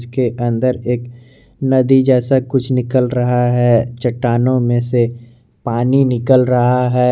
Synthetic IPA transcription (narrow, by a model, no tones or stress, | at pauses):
skeʔɐ̃nd̪əɾeːk | nɐd̪id͡ʒɛːsakʊt͡ʃʰnɪkəlɾɐɦaɦɛt͡ʃɐʈːaːnõmẽse | paːninɪkəlɾɐɦaɦɛː